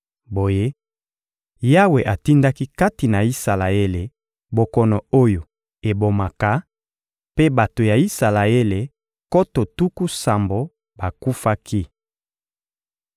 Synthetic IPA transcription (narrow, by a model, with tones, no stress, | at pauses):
bo˨je˦ | ja˦we˨ʔa˨ti˦nda˦ki˦ka˦ti˨na˨i˦sa˨la˨e˦le˨ | bo˨kɔ˨nɔ˨o˦jo˨ | e˨bo˨ma˨ka˨˦ | pe˦ba˨to˨ja˨i˦sa˨la˨e˦le˨ | ko˦to˨tu˦ku˦sa˨mbo˨ | ba˨ku˦fa˦kʰi˦